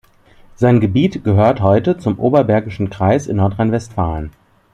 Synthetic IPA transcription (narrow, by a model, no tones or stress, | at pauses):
z̥aɪnɡəbiːtɡ̥əɦøːɐthɔʏtət͡sʊmʔoːbɐbɛɐɡɪʃn̩kʁ̥aɪsɪ̰nːɔɐtʁ̥aɪnvɛstfaːlən